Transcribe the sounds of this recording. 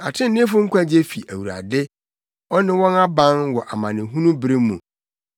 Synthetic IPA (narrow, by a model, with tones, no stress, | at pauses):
a̰˨tʰɪ̃˦n̩˨˦nɪ̃˦fʊ˦ŋ̩˦kʰʷa˦d͡ʑe˦fi˨ʔæ˨wu˨ɾa̰˨dɪ˦ | ɔ˦nɪ̃˦wɔ̃˦na˦bã˦nwɔ˨ʔa˨mã˨nɪ̃˨ɦũ˦nũ˦bɾɪ˦mːũ˨